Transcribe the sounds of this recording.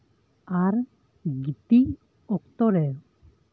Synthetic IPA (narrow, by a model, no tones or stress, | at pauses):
aɾ | ɡit̪i | ɔkt̪ɔɾɛɾ